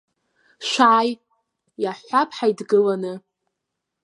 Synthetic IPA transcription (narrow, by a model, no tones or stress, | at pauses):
ʃʷaːj | jaħʷapʰʼħajdɡɨlanɨ